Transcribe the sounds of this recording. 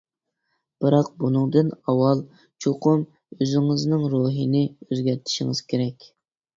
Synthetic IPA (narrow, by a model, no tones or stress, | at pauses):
b̥ɨɾɑq̚bunɨŋd̪ɨnɑwɑlˠ | t͡ʃʰoqʰʊm | øzɪŋɨznɪŋɾoːɦinɪøzɡʲɛɾt̪ʰɪ̥ʃiŋɨz̥kʲʰeɾɛkʲ